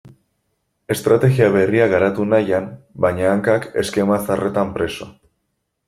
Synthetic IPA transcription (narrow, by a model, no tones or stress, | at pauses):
e̞st̪ɾat̪e̞ɣiaβe̞riaɣaɾat̪unajambajɲaːŋkake̞̰ske̞masare̞t̪ampɾe̞so̞̰